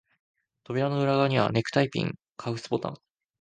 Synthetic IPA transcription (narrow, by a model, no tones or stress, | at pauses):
t̪o̞bʲiɾano̞ɯ̟ɾaɡaɲ̟iβa̰ne̞kɯ̟̥t̪aipʲḭ̃ŋ | kʰaɯ̟sɨ̥bo̞t̪ã̰ŋ